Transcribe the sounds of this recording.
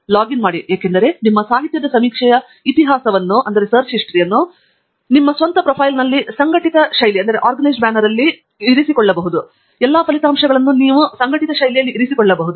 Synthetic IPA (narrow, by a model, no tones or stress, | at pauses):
laːɡinmaːɽijeːkend̪ɐɾe̞nimːɐsaːɦit̪jɐd̪ɐsɐmiːkʂɛjɐ | it̪iɦaːsɐʋɐnːuʔɐnd̪ɐɾe̞sɐɾt͡ʃiʂʈɾijɐnːu | nimːɐsʋɐnt̪ɐpɾopʰɐjlnɐlːisɐŋɡɐʈit̪ɐʂɐjliɐnd̪ɐɾe̞ʔaːɾɡɐnɐjsɖbaːnɐɾɐlːiː | ɾisikɔɭːɐbɐɦud̪u | ɛlːaːpʰɐlit̪aːmʂɐɡɐɭɐnːuniːʋusɐŋɡɐʈit̪ɐʃɐjlijɐlːiʔiɾisikɔɭːɐbɐɦud̪u